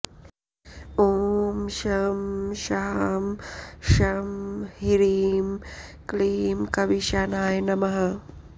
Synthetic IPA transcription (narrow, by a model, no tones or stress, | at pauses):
oːmʃɐmʃamʃɐmhiɾiːmkliːmkɐʋiʃaːnaːjnɐmɐɦɐ